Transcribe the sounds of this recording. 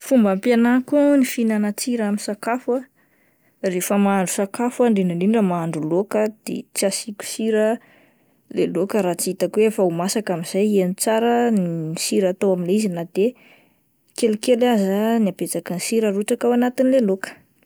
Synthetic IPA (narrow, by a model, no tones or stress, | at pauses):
fumbampjanakunifinanat͡siɾaminsakafa | refəmaaɳɖ͡ʐusakafwaɳɖ͡ʐinaniɳɖ͡ʐəmaaɳɖ͡ʐulokəd̪̥ḛt͡siasikʲu̥siɾə | lelokəɾat͡siit̪akwefaumasakamiz̥ajanit͡saɾənsiɾat̪owaminizinad̪e | kelukelazaniapet͡sakansiɾəruʈ͡ʂakawanat̪inlelokə̥